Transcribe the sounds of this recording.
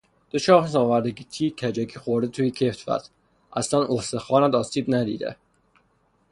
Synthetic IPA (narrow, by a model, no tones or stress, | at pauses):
d̪̥ot͡ʃʰɒːsɒːvæɾd̪eɡit̪ʰiːkʲʰæd͡ʒækʰiːxoɾd̪et̪ʰuːjecʰeft̪væ̰t̪ | ʔæslænohsexɒːnæd̪ɒːsiːbnæd̪ḭːd̪ḛ